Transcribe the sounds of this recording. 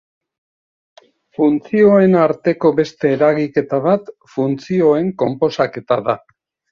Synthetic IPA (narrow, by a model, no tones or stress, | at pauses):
funt͡sio̞e̞naɾt̪e̞ko̞βe̞st̪e̞ːɾaɣike̞t̪aβ̞at̪ | funt͡sio̞e̞ŋko̞mpo̞sake̞t̪aða